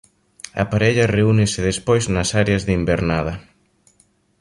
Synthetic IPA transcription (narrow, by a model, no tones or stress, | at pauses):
ɐ̰paɾeʎɐreunɪsɪðespojznɐsaɾeɐzðimbeɾnaðɐ